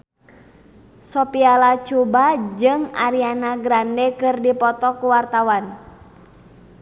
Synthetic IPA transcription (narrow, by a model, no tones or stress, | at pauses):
sɔpialat͡ʃubad͡ʒɨŋaɾianaɡɾandɛkɨrdipɔt̪ɔkuwart̪awan